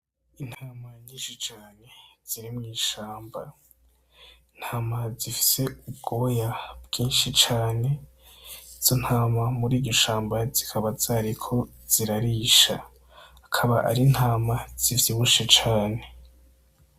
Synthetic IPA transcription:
in̥haːmaɲiːʃit͡ʃaːne̞z̥iɾimŋiːʃaːmba | in̥haːmazifi̥se̞ub̚ɡo̞ːjabɡ̥iːnʃit͡ʃaːne̞ | z̥on̥haːmamuɾiːɟoʃaːmbazikʰaβazaɾikʰo̞ | z̥iɾaɾiʃa̰ | akʰaβaʔa̰ɾin̥haːmaz̥ivjiβuʃet͡ʃaːne̞

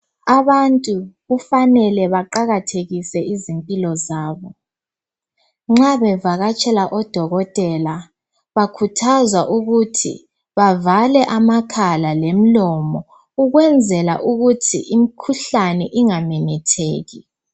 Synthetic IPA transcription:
aβantʼuɣufanɛlɛβaǃaɣatʰeɣisɛizimpʼilɔzaːβɔ | ŋ͡ǁaβɛvaɣat͡ʃʰʼɛlaʔɔd̥ʱɔɣɔtʼɛla | βakʰutʰazwaʔuɣutʰḭ | βavalɛʔamakʰalalem̩lɔmɔ | uɣwɛnd͡zʱɛla̰ʔuɣutʰḭimikʰuɬanɛʔiŋamɛnɛtʰeːɣi

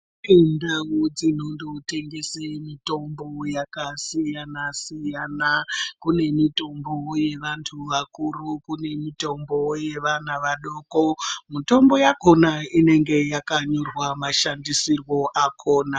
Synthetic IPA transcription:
endawod͡zino̞ndote̞ŋɡesemito̞mbo̞jakasijanasijanakune̞mito̞mbo̞je̞ʋantʰuʋakurukune̞mito̞mboje̞ʋanaʋaɗo̞ːkomito̞mbo̞jako̞naine̞ŋɡe̞jakaɲorwamaʃandisirwo̞ʔakʰoːna

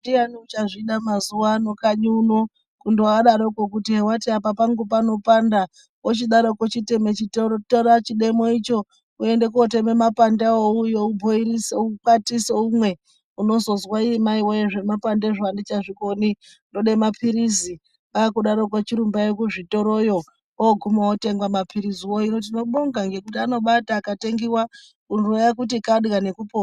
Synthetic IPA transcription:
dianiut͡ʃaʐiɗamazuano̞kaɲuno | kundoaɗaɾokokutiɦewatiapapaŋɡupano̞panda | ot͡ʃiɗaɾokot͡ʃitemet͡ʃitotoɾat͡ʃiɗe̞mo̞it͡ʃo̞ | ue̞nde̞k̬uotememapandaoujo̞ubʱoiɾiseukatiseumwe̞ | uno̞zo̞zwaimaiwojeʐe̞mapandeʐoandit͡ʃaʐiko̞ni | ndoɗemapʰiɾizi | akuɗaɾo̞k̬wat͡ʃiɾumbaekuʐito̞ɾo̞jo̞ | oɡʱumawote̞ŋɡwamapʰiɾiziwoino̞t̬ino̞ɓoŋɡaŋɡe̞kutiano̞ɓataːkate̞ŋɡiwa | kunorojakutikaɗɣane̞kupoːa

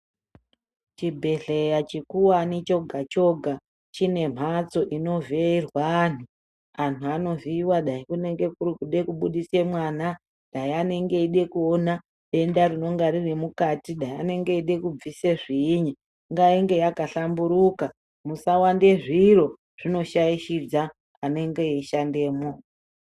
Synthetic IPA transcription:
t͡ʃibʱe̞ɬejat͡ʃikuwanit͡ʃo̞ɡʱat͡ʃo̞ɡʱa | t͡ʃine̞m̤at͡so̞ʔino̞veirwaːn̤u | antʰuano̞viwaɗaikune̞ŋɡe̞kurkuɗe̞kuɓuɗise̞mwaːna | ɗaiane̞ŋɡe̞iɗe̞kuona | ɗe̞ndarino̞ŋɡaɾiremukatiɗaiane̞ŋɡe̞iɗe̞kub͡vise̞ʐiːɲi | ŋɡaiŋɡe̞jakaɬambuɾuka | musawande̞ʐiro̞ | ʐ̥ino̞ʃaiʃid͡za | ane̞ŋɡe̞iʃandeːmo

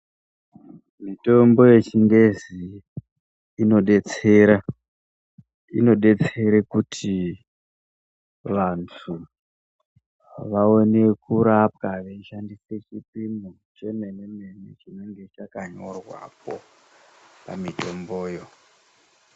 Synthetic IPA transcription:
mito̞mbo̞je̞t͡ʃiŋɡe̞zi | no̞ɗe̞t͡seɾa | ḭno̞ɗe̞t͡se̞ɾekutʰi | ʋantʰu | ʋao̞ne̞kuɾap̚kaʋeiʃandiset͡ʃipimo | t͡ʃe̞me̞ne̞me̞net͡ʃine̞ŋɡe̞t͡ʃakaɲo̞̰rwa̰p̚o̞̰ | pa̰mito̞mbo̞ːjo̞

